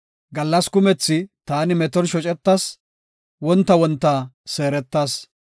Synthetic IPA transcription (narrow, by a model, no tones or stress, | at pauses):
ɡɐlːɐskʊmɛt͡sːɪt̪aːnɪmɛt̪ɔnʃɔt͡ʃʼɛt̪ːɐs | wɔnt̪ːɐwɔnt̪ːɐse̞ːɾɛt̪ːaːs